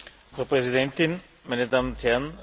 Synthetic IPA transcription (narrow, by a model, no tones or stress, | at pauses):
fʁɑpʁɛsidɛntɪn | maɪnədaːmnʊnt̪hɛɐn